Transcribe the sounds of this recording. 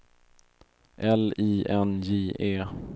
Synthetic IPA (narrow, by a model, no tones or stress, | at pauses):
ʔɛliːʔɛnjiːeː